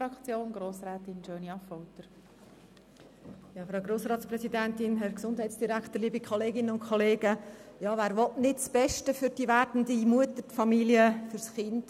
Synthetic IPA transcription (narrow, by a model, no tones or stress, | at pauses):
ɾɑkt͡sjoːnɡ̥ɾoːsɾɛːtɪnd͡ʒøːniɑfɔwtəɾ | jɑːfɾaʊɡɾoːsɾɑːtsprɛsidæntɪnɦɛɾksʊndhæɪtsd̥iɾækχt̪əɾliːbikʰχɔleːɡɪnənʊnkʰɔleːɡ̥əjɑːʋæːɾʋɔtnɪtsb̥ɛʃtəfʏɾd̥iʋæːɾdn̩dimuətətfɑmiliəfʏɾsχɪnd̥